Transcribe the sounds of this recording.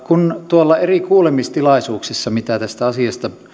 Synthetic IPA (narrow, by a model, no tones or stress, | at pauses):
kunt̪uolːɑerikuːlemist̪ilɑˑisuːksisːɑmit̪æt̪æst̪æɑsiɑst̪ɑ